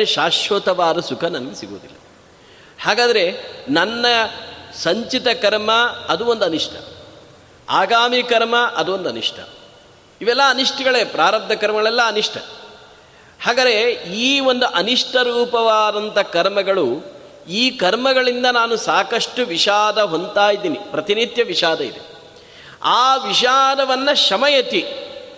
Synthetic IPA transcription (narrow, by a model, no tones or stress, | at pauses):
eʃaːʃʋɐt̪ɐʋaːɾɐsukʰɐnɐnɐɡesiɡo̰ːd̪ḭlːɐ | haːɡaːd̪ɐɾe̞nɐnːɐsɐɲt͡ʃit̪ɐkɐɾmɐːd̪uond̪uɐniʂʈʰɐ̰ | aːɡaːmikɐɾmɐʔɐd̪uond̪uɐniʂʈʰɐ̰ | iʋɛlːɐːniʂʈɐɡɐɭeːpɾaːɾɐb̚d̪ʱɐkɐɾmɐɡɐɭɛlːɐːniʂʈʰɐ̰ | haːɡɐɾeiːo̞nd̪uʔɐniʂʈʰɐɾuːpɐʋaːd̪ɐnt̪ɐkɐɾmɐɡɐɭu | iːkɐɾmɐɡɐɭind̪ɐnaːnusaːkɐʂʈuʋiʃaːd̪ɐɦo̞nt̪aːjid̪iːnipɾɐt̪inid̪jɐʋiʃaːd̪ɐḭd̪e | aːʋiʃaːd̪ɐʋɐnːɐʃɐmɐjɐt̪i